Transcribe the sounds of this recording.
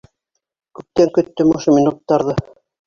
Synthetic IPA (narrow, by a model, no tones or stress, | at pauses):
kʉp̚t̪æŋkɵ̆t̪ːɵmŏʃɤmʲinut̪ːɑɾðɤ